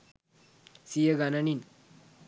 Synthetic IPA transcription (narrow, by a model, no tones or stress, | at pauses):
sijeɡananin